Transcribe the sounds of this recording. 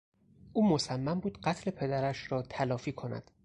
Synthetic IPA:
ʔuːmosæmːæmbuːd̪ɢæt̪ʰle̞pʰe̞d̪æɾæʃɾɒːt̪ʰælɒːfiːkʰo̞næ̰d̪̥

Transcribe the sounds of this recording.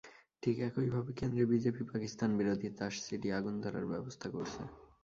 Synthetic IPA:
ʈʰikɛkojbʱabekend̪ɾebid͡ʑepipakist̪anbiɾod̪ʱit̪aʃsiʈiaɡund̪ʱaɾa̰ɾbɛbost̪ʰakoɾt͡ɕʰḛ

